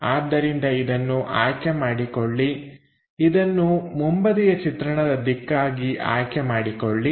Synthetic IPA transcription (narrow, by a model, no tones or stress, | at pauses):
aːd̪ːɐɾind̪ɐid̪ɐnːuʔaːjkemaːɽikoɭːi | id̪ɐnːumumbɐd̪ijɐt͡ʃit̪ɾɐɳɐd̪ɐd̪ikːaːɡiʔa̰ːjkɛmaːɽikoɭːi